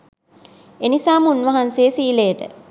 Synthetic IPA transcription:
enisaːmunʋɐɦansejəsiːlejəʈə̰

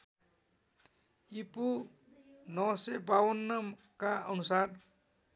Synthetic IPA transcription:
ipu | nʌwsebawʌnːʌm | kaʌnusar

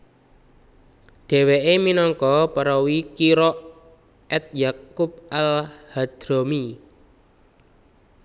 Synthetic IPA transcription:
ɖ̪̥ɛ̤weʔeminɔŋkɔpəɾɔwikiɾɔʔ | ɛt̪̚jakʊp̚alhad̪̥ɾomi

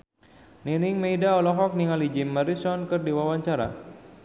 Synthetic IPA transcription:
ninɪŋmejdaɔlɔɦɔk̚niŋalid͡ʒimːaɾisɔnkɨrdiwawaɲt͡ʃaɾa̰

